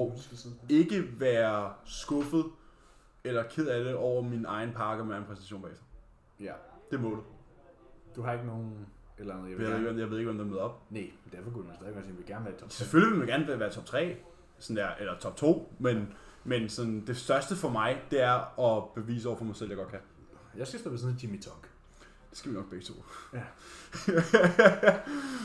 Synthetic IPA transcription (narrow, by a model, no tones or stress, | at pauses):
ɒe̝ɡ̥əʋæːɐsɡ̥ɔ̽fð̩ˠ | elɐkʰeð̞̰ˠæləʔɒʊ̰ɐminɑ̈ɪn̩pʰɑ̈ːɡ̥əɒmienɑ̈ɪn̩pʰʁɛsn̥æsɕo̝̰ːnb̥ɛ̰ːsɑ | d̥e̝mɔ̽ːdˠ | d̥uhɑ̈e̝ɡ̥no̝ːn̩ | elnð̩ˠjjajeeɡemjaɪʋeðˠe̝ɡ̥ʋemd̥emeðˠɒ̽b̥nemmend̥æɐfɒ̽kud̥umænsɛðˠeɡɒ̽siːmʋe̝lɡ̥æɐnʋæːɐ̥t͡sʰseføliʋe̝lmænɡ̥æɐnæʋæːɐt͡sʰɒ̽b̥t͡sʰʁɛ̰ː | sɒnd̥eɐ̰ʔelɐt͡sʰɒ̽b̥̚t͡sʰo̝̰ːmen | mensɒ̽nd̥e̝sd̥ɶɐsd̥əfɒ̽mɑ̈ɪd̥e̝æɐɒ̽b̥e̝ʋḭːs̬əɒ̰ɐfɒmɑ̈ɪsel̰jɑ̈ɡ̥ɒ̽d̥kʰæ | jäɪsɡ̥æsd̥ɔbesnet͡sʰimit͡sʰɒŋɡ̥ | d̥e̝sɡ̥æʋinɒ̽ɡ̥̚b̥eɡ̥t͡sʰo̝̰ː